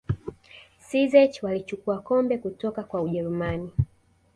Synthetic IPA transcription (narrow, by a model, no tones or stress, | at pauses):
sizɛt͡ʃwalit͡ʃukuakɔmbɛkutɔkakwauʄɛɾumani